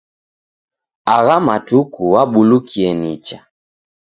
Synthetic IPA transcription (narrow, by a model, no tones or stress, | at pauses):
aɣamatukuwaɓulukʰiɛnit͡ʃa